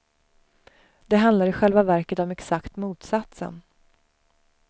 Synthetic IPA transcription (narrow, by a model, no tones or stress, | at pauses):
d̪̥ɛɦand̪laɾɪɧɛlvavæɾkət̪ɔmɛksakt̪muːt̪sat̪sə̰n